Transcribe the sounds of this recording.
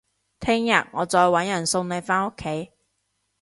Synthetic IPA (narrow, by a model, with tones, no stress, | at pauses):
t̪ʰɪ˥ŋjɐ̰˨t̚ŋɔː˨˧t͡sɔː˧jwɐ˨˥njɐ˨˩nso˧wne˨˧jfaː˥no˥kʰːe˨˥j